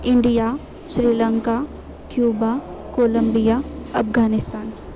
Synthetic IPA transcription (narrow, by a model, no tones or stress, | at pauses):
ɪ̃ɳɖija | ʃɾiːlə̃ŋka | kjuːbakoːlə̃mbijaɐfɡaːnɪst̪aːn